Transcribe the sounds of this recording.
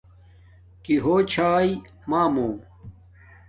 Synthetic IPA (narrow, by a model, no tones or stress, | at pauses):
kiɦoːt͡ɕʰaːj | maːmõː